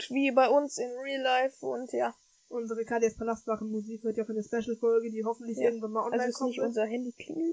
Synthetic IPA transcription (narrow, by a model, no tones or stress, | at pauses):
tviːbaɪʊnsɪnʁiːlaɪfʊ̰ntʰjaː | ʔʊnzəʁəkʰaːdeaspʰalastmaʁn̩muziːkhøːɐtjaʊʔaɪnɐspɛʃl̩fɔlɡədiːɦɔfn̩tlɪçɪɐɡŋ̩tvanmaːlʔɔnlaɪskɔmʊnzɐhɛndikʰlɪ̰ŋl̩